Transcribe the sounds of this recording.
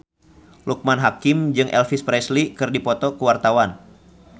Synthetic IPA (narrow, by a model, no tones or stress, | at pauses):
luk̚manɦakɪmd͡ʒɨŋʔɛ̰lfispɾɛslikɨrdipɔt̪ɔkəwart̪awan